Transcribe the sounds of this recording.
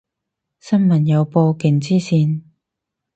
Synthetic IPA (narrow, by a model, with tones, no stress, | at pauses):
sɐ˥nmɐ˨˩njɐ˨˧wpoː˧kɪ˨˩ŋt͡siː˥siː˧n